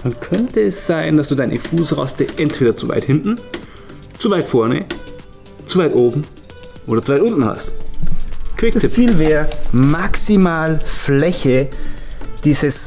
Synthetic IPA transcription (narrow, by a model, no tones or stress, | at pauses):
dankʰœntəɛsz̥aɪnd̥asd̥uːdaɪnʔə̰fuːsʁa̰stəʔɛntv̥eːdɐt͡suva̰ɪthɪntn̩ | t͡suvaɪtfɔɐnə̰ | t͡suvaɪtʔoːbm̩ | ʔoːdɐt͡suvaɪtʔʊntn̩ha̰st | kʰv̥ɪkt͡siːlvɛːɐmaksimaːlflɛçə | d̥iːzəs